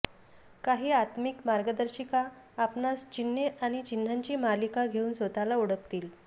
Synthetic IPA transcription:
kaɦiːat̪mikmaɾɡəd̪əɾɕikaː | pnast͡ɕinːeʔaɽ̃it͡ɕin̤ːaɲt͡ɕiːmalikaɡʱeuːnsʋot̪alauɽəkt̪iːl

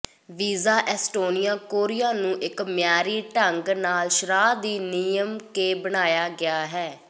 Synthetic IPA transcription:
ʋiːzaːʔɛːsʈoːnijaːkoːɾɪjaːnũːʔɪkmɪjaːɾiːʈəŋɡnaːlʃɾaːd̪iːniːjəmkeːbəɽ̃aːjaːɡɪaːɦɛː

